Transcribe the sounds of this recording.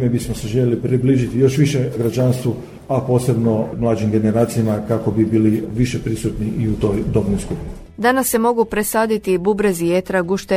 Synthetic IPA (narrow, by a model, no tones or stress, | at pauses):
mebismoseʒeʎelipɾibliːʒit̪ijo̞ʃʋiʃeɡɾad͡ʒanst̪ʋu | apo̞ːse̞bno̞mlˠaːd͡ʒimɡe̞ne̞ɾaːt̪sijamakako̞bibiːliʋiʃepɾisut̪niʔiut̪o̞jd̪o̞bnojskupini | d̪anasːe̞mo̞ɡupɾesaːd̪it̪ibubɾezijet̪ɾaɡuʃt̪e